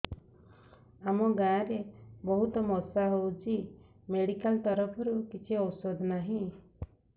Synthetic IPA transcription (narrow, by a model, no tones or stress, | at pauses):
amɔɡãːɾebɔɦut̪ɔmɔsaɦowt͡ʃi | meɽikalt̪ɔɾɔpʰɔɾukit͡ʃʰiɔwsod̪ʱnaɦĩ